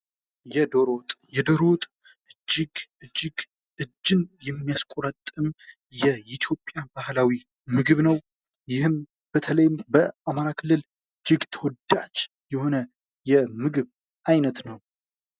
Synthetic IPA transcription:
jɛd̪oɾot̪ʼjɛd̪oɾo̞t̪ʼ | ʔɨd͡ʒːɪɡɨd͡ʒːɪɡ | ʔɨd͡ʒːɨnjɛmːijaskʼoɾət̪ʼːɨm | jɛʔit̪ʰjo̞pʼːjabahlawi | mɨɡɨβnəw | jɪhɨm | b̥ət̪ʰələjɪmbəʔamaɾakʰɨlːɨl | ɨd͡ʒːɪɡt̪ʰəwɔd̪at͡ʃː | jɛho̞nə | jɛmɨɡɨβ | ʔajnət̪nəw

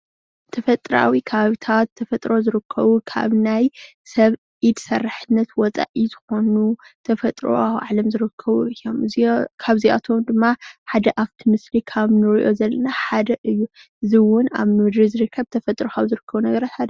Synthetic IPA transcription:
t̪ʰɐfɐt̪ʼɾa̰wikʰɐβaβit̪ʰat̪ʰːɐfɐt̪ʼɾo̞zɨɾɨkʰːɐβukʰa̰βnaj | sɐβ | id̪sɐrːaħɨnːɐt̪wɔt͡sʼa̰ʔizɨxo̞nut̪ʰɐfɐt̪ʼɾo̞̰awʕa̰lɐmzɨɾɨkʰːɐβuɨjːo̞mkʰaβzia̰t̪ʰo̞md̪ɨmːaħad̪ɐʔaβt̪ʰimɨslikʰaβnɨɾiʔo̞̰zɐlːɐnaħad̪ɐʔɨjːu | ʔɨziwʊna̰βmɨd̪ɾizɨɾɨkʰːɐβt̪ʰɐfɐt̪ʼɾokʰaβzɨɾɨkʰːɐβunɐɡɐɾat̪ħad̪ɐ

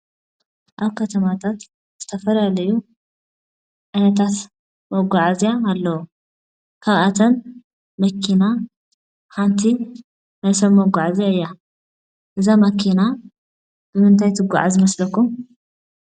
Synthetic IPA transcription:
ʔaβkʰɐt̪ʰɐmat̪ʰat̪ | z̥ɨt̪ʰɐfɐlalɐju | ʕajnɐt̪ʰat̪ | mɐɡʷaʕazijaːlːɐwo | kʰaβʔat̪ʰɐn | mɐkʰːina | kant̪ʰi | najsɐmmɐɡʷaʕziaɨjːa | ʔɨzamɐkʰina | b̥ɨmɨnt̪ʰajt̪ʰɨɡʷa̰ʕazɨmɐslɐkːum

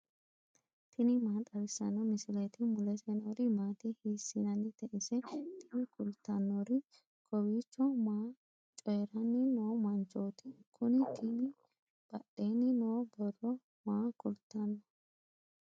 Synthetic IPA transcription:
t̪ʰɪnɪmaːt̪ʼɐɾɪsːɐnɔmɪsɪlɛt̪ɪmʊlɛsɛnoːɾɪmaːt̪ɪhiːsːɪnɐnːɪt̪ɛʔɪsɛt̪ʰɪnɪkʊlt̪ːɐnːɔɾɪ | kʰɔwiːt͡ʃːɔmaː | t͡ʃʼɔjɛɾɐnːɪnoːmɐnt͡ʃoːt̪ɪkʰʊnɪt̪ʰinɪ | b̥ɐɗːenːɪnoːbɔrɔ | maːkʊlt̪ːɐnːɔ

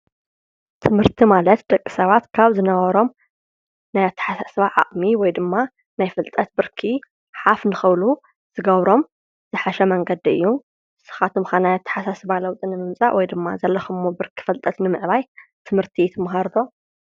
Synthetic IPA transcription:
t̪ʰɨmhɨɾt̪ʰimalɐt̪d̪ɐkʼːisɐβat̪kʰaβzɨnɐβɐɾo̞m | najat̪ʰːɐ̥ħasasɨβaʕa̰χʼmiwɔjd̪ɨmːa | najfɨlt̪ʼɐt̪̚bɨɾkʰi | ħafnɨxɐβlu | z̥ɨɡɐβɾo̞m | z̥ɨħaʃɛmɐŋɡɐd̪iɨ̰jːu | sɨ̥xat̪ʰɨmxanajat̪ʰːɐ̥ħasasɨβalɐwt̪ʼɨnɨmɨmsʼa̰ʔwɔjd̪ɨmːa̰zɐlːɐxɨmːobɨɾkʰi̥fɐlt̪ʼɐt̪nɨmɨʕβajt̪ʰɨmɨɾt̪ʰit̪ʰɐmɦaɾd̪o̞

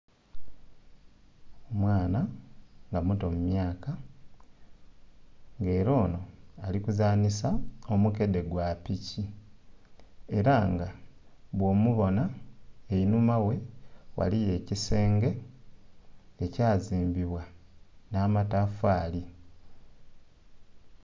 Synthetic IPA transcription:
omwaːnaŋɡamuto̞mumjaːka | ŋɡe̞ːɾo̞ːnoalikuzaːnisao̞muke̞de̞ɡwapici | e̞ɾaŋɡaβwo̞muβo̞naeinumawe̞wʔa̰lije̞ːcise̞ːŋɡe̞ | ecaːziːmbiβwanaːmatafaːli

